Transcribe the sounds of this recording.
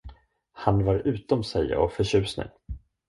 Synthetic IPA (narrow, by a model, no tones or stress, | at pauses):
hanvaɾʉ̟ːt̪ɔmsɛj̰ɔfœɕʉ̟ːsnɪ̰ŋ